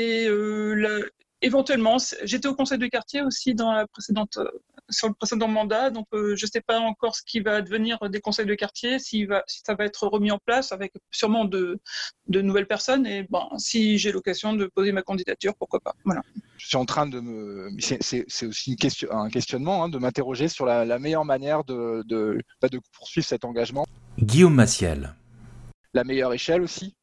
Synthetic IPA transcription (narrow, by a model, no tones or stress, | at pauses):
eøla | evɑ̃t̪ɥɛlmɑ̃sɛʒet̪ɛokɔ̃sɛjd̪əkaʁt̪jeosid̪ɑ̃lapχesed̪ɑ̃t̪ø̰ | syʁləpχesed̪ɑ̃mɑ̃d̪ad̪ɔ̃køʒəsɛpaɑ̃kɔʁsə̥kʲivad̪əvəniʁød̪ekɔ̃sɛjd̪əkaʁt̪jesivasi̥savaɛt̪χəʁəmiɑ̃plasavɛksyʁmɑ̃d̪əd̪ənuvɛlpɛʁsɔnebɛ̰̃siʒelɔkazjɔ̃d̪əpozemakɑ̃d̪id̪at̪yʁpuʁkwapa̰vwalaʒ̥əsɥiɑ̃t̪χɛ̃d̪əməsɛsɛsɛosiynkʲɛst̪jɔɛ̃kʲɛst̪jɔnmɑ̃ɛ̃d̪əmɛ̃t̪eʁɔʒesyʁlalamejœʁmanjɛʁd̪əd̪əbad̪əpuʁsɥivʁsɛt̪ɑ̃ɡaʒmɑ̃ɡʲiomːasjɛ̰l | lamejœʁeʃɛlosi